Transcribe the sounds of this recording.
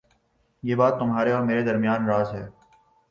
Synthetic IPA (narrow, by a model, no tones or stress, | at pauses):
jeːbaːt̪ːʊmɦaːɾeɔːɾmeːɾed̪ɐɾmijaːnɾaːzɦɛː